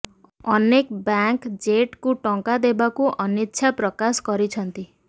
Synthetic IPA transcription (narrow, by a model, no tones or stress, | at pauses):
ɔnekbaŋkd͡ʒeʈkuʈɔŋkad̪ebakuʔɔnitːʃʰapɾɔkaskɔɾit͡ʃʰɔnt̪i